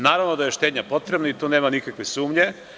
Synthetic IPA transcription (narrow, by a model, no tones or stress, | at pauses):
naːɾaʋnod̪ajeʃt̪eːd̪ɲapo̞t̪ɾebnait̪uːneːmanikakʋesuːmɲe